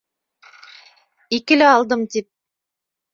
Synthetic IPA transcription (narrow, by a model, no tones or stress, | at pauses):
ikɘ̆lɘɑlˠd̪ɤmt̪ip̚